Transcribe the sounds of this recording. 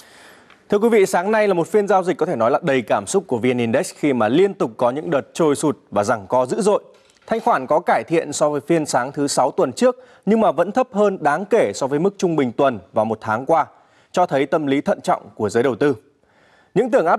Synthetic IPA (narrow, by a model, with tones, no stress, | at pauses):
t̪ʰɨ˧əkwvḭ˧˨saː˨˦ŋna˧jlaː˨˩mo˨˩t̚fi˧ənzaː˧wzï˨˩k̚kɔ˨˦t̪ʰe˧˩nɔ˨˦jlaː˨˩ɗə˨˩jkaː˧˩msʊ˦˥k͡p̚kːu˧˩əvi˧ni˧nɗe˦˥xi˧maː˨˩li˧ənt̪ʊ˨˩k͡p̚kɔ˨˦ɲɨ̰˧˥ŋɗəː˨˩t̚t͡ɕo˧jsu˨˩t̚vaː˨˩za˨˩ŋkɔ˨˦zɨ̰˧˥zo̰˧˨j | t̪ʰa˧jŋ̟xwaː˧˩nkɔ˨˦kaː˧˩jt̪ʰḭ˧˨ənsɔ˨˦vəː˨˦jfi˧ənsaː˨˦ŋt̪ʰɨ˨˦sa˨˦wt̪wə˨˩nt͡ɕɨ˦˥ək̚ | ɲɨ˧ŋmaː˨˩və̰˧˥nt̪ʰə˦˥p̚həː˧nɗaː˨˦ŋke˧˩sɔ˨˦vəː˨˦jmɨ˦˥k̚t͡ɕʊ˧ŋ͡mɓï˨˩ŋ̟t̪wə˨˩nvaː˨˩wmo˨˩t̚t̪ʰaː˨˦ŋkwaː˧ | t͡ɕɔ˧t̪ʰə˨˦jt̪ə˧mli˨˦t̪ʰə̰˧˨nt͡ɕɔ̰˧˨wŋ͡mku˧˩əzəː˨˦jɗə˨˩wt̪ɨ˧ | ɲɨ̰˧˥ŋt̪ɨ˧˩əŋʔaː˦˥